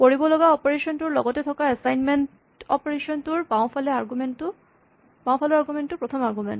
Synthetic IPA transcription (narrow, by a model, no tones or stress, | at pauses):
koɹibɔlɔɡaɔpɔɹesɔntuɹlɔ̰ɡɔtɛtʰɔkaɛsajnment | ɔpɔɹesɔntuɹpaʊ̃pʰalɛaɹɡumentʊ | paʊ̃pʰalɔaɹɡumɛntːʊpɹɔtʰɔmaɹɡumɛ̰nt